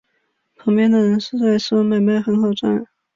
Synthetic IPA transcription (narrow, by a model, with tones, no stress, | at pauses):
pʰɑ˧˥ŋpjɛ˥nd̪ə˨ɻə˧˥nʂɻ̩˥˧t͡sa˥˧ɪʂ̩˥˩˥ma˥˩ɪma˥˩ɪxə˧˥nxɑ˨˩ʊʈ͡ʂwa̰˥˩n